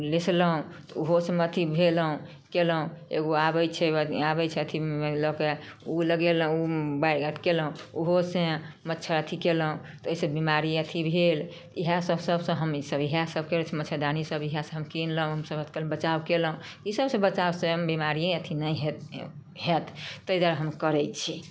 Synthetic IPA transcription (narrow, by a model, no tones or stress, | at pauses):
lesləɦũ | t̪ɔuɦosəmət̪ʰibʱeləɦũ | keləũeɡoabəjt͡ʃʰɛabɛt͡ʃʰɛət̪ʰielɔkeuləɡel̃ubaɡəʈʰkeləɦũuɦosẽ | mətːt͡ʃʰaət̪ʰikeləɦũ | t̪ɔoisəbimaɾiət̪ʰibʱel | t̪iɦasəbsəbsə̃ɦəmsəbiɦasəb̚kelɛt͡ʃʰɛmətːt͡ʃʰad̪anisəbiɦasə̃ɦəmkinləɦũɦəmsəbət̪ʰkelbət͡ʃabkeləɦũisəbsə̃bət͡ʃawsẽəmbimaɾiẽət̪ʰinəɦ | ɦet̪ʰt̪ːəid̪aɾɦəmkəɾɛt͡ʃʰi